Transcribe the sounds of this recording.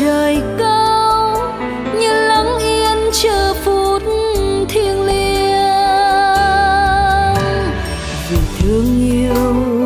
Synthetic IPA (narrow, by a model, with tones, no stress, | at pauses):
əː˨˩jkə˧w | ɲɨ˧lə˨˦ŋ͡mʔi˧ənt͡ɕəː˧˨˩fu˨˩t̚nt̪ʰi˧ənli˧əə | zi˨˩t̪ʰɨ˧˩əŋɲi˧əw